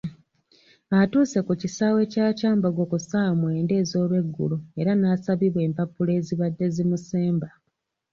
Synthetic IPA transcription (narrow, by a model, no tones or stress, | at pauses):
atuːse̞kucisaːwe̞caːcaːmbaɡo̞kusamwe̞ːnde̞ːzo̞ːβe̞ɡːṵlue̞ɾanaːsaβiβwe̞ːmpapːule̞ːziβadːe̞zimuse̞ːmba